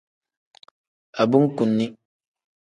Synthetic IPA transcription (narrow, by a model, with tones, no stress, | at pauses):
a˨bu˦ŋ˦ku˨nːi˦